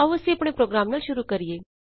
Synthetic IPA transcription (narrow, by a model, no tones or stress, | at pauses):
aʋɐsiɐpɽ̃epɾoːɡɾaːmnaːlʃʊɾukɐɾijeː